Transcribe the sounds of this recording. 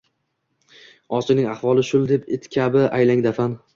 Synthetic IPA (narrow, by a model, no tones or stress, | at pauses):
ɒt͡ʃɪnɪŋaχvɒlˠɪʃʊlˠd̪e̞pɪt̪kʲʰabɪajlaŋd̪afan